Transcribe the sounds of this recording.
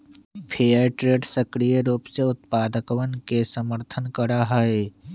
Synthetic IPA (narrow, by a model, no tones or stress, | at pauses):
pʰeːəɾʈɾeːɖsəkɾijəɾuːpseʊt̪̚paːd̪əkʋənkesəməɾt̪ʰənkəɾaɦəe